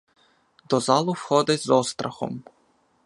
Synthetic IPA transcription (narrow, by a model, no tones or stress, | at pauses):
d̪ɔzɑlˠʊwxɔd̪ɪzɔst̪ɾɐxɔ̰m